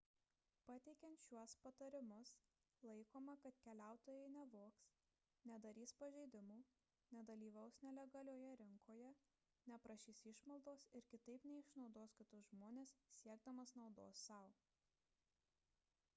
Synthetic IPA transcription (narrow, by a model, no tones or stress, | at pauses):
pɐt̪ʲɛɪkʲɛnt̪ʃʲuɔspɐt̪ɐɾʲɪmʊs | lˠɐɪkoːmɐkɐt̪kʲɛlʲæˑʊt̪oːjɛɪnʲɛʋoːks | nʲɛd̪ɐɾʲiːspɐʒʲɛɪd̪ʲɪmuː | nʲɛd̪ɐlʲiːʋɐʊsnʲɛlʲɛɡɐlʲoːjɛɾʲɪŋkʰoːjɛ | nʲɛpɾɐʃʲiːsɪʃmɐlˠd̪oːsɪɾkʲɪt̪ɐɪpnʲɛɪʃnɒʊd̪oːskʲɪt̪ʊʒmoːnʲeːssʲiɛɡ̚d̪ɐmɐsnɒʊd̪o̰ːsːɐʊ